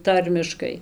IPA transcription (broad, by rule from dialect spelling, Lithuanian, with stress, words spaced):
ˈtɐrʲmʲɪʃkɐɪ